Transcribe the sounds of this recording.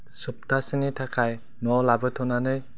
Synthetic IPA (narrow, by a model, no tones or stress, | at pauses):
sɯp̚tʰasɯnitʰakʰaj | nɔlabɯtʰɔnanɯj